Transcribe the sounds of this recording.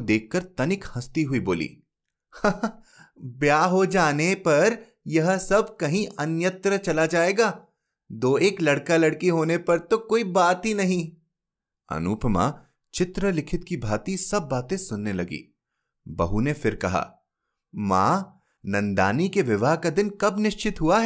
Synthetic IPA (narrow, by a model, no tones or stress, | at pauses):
d̪eːkʰːɐɾt̪ɐnɪkhɐst̪iɦuiboːlḭː | ha | bjaːɦod͡ʒaːnepɐɾ | jɐɦsɐb̚kɐɦĩʔɐnjət̪ɾət͡ʃɐlad͡ʒaːeːɡaː | d̪oːeːklɐɽkalɐɽkiɦoːnepɐɾt̪okoːibaːt̪ɦinɐɦĩ | ɐ̰nuːpʰmã̰ː | t͡ʃɪt̪ɾəlɪkʰɪt̪̚kibʱaːt̪isɐbːaːt̪ẽsʊnːelɐɡḭː | bɐɦunefɪɾkɐɦa̰ː | ma̰ː | nɐ̃nd̪a̰ːnikeʋɪʋaːɦkad̪ɪnkɐbnɪʃt͡ʃɪt̪ɦuaɦɛː